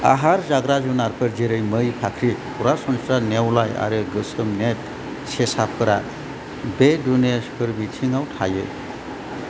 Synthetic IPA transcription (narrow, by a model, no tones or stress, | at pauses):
a̰ɦaɾzaɡɾad͡ʒunaɾpʰəɾd͡ʒiɾɯjməjpʰakʰɾipʰuɾasɔnsɾanewlaja̰ɾɯɡɯsɯmnet̚ | sesapʰɯɾa | bedunespʰɯɾbitʰiŋawtʰajḛ